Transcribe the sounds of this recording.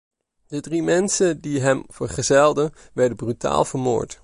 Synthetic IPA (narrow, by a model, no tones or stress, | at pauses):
d̥ədrimɛnsədiɦɛmvəɹχəzɛlˠdən | ʋɛɹdəbryta̰ːlˠvəɹmo̰ːɹt